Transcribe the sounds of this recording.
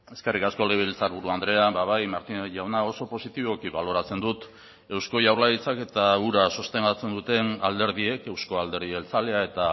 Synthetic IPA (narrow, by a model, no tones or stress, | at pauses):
e̞ske̞rikasko̞leβilt͡saɾβ̞uɾuand̪ɾe̞ambaβ̞ajmaɾt̪ineʝawnao̞so̞po̞sit̪iβo̞kiβalo̞ɾat͡se̞nd̪ut̪ | e̞wsko̞ʝawɾlaɾit͡sake̞t̪auɾasust̪e̞ndat͡se̞nd̪ut̪e̞nald̪e̞ɾðie̞ke̞wsko̞ald̪e̞ɾðielt͡sale̞ae̞t̪a